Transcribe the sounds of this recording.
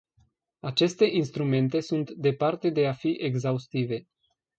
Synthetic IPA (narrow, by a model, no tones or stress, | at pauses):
at͡ʃe̞st̪e̞ʔinst̪ɾume̞nt̪e̞sunt̪d̪e̞part̪e̞d̪e̞afiʔeɡzaust̪ive̞